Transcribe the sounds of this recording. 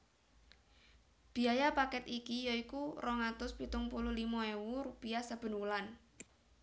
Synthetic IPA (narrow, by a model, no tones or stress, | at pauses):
b̥i̤ajapakɛt̪ikijɔikurɔŋat̪ʊspit̪ʊŋpulʊhlimɔewuɾupiasab̥ə̤nulan